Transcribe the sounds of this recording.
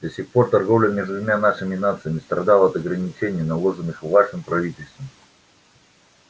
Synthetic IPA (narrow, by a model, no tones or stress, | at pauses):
d̪̥ɐsʲixpo̞rt̪ɐrɡo̞vlʲəmʲeʐd̪vʊmʲanaʂɨmʲɪnat̪sɨjəmʲɪst̪ɾɐd̪alˠəɐt̪ɐɡɾənʲɪt͡ɕenʲɪjənɐlˠo̞ʐɨnɨxvaʂɨmpɾɐvʲitʲɪlʲst̪vəm